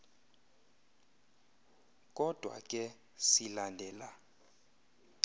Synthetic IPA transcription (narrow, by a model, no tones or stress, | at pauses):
kʼɔd̥ʱwa̰kʼɛ | silandʱɛːla